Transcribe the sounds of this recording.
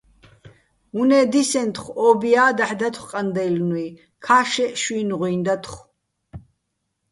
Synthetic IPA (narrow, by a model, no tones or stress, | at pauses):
unɛːd̪isɛnt̪ʰχɔːbijaːd̪aħd̪at̪ʰχqʼand̪ɛjlnui | kʰaːʃɛʃwiːnʁwiːnd̪at̪ʰχ